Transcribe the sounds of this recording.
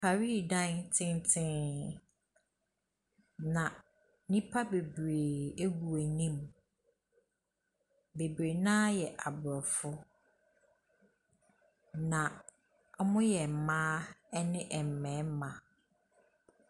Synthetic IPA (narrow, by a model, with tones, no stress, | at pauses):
pʰa˨ɾi˦˨dã˦ntʰɪ̃˦ntʰɪ̃˦n | nã˨ | nĩ˦pʰa˦be˨bɾeː˨e˦ɡu˨æ˨nĩ˦m | be˨bɾe˨nã˦jɛ˨ʔa˨bʊ˨ɾɔ˨fʊ˦ | nã˨˦ | mʊ̃˦jɛ˨m̩˨mãː˦ɛ˦nɪ̃˦ʔɛ˨m̩˨mɛ̃˨˦m˦mã˨